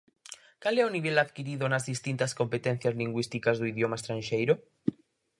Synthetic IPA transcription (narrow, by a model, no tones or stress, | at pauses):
kaleoniβe̞laðkiɾiðonazðist̪int̪asko̞mpe̞t̪enθjazliŋɡwist̪ikazðuiðjomaest̪ɾanʃejɾo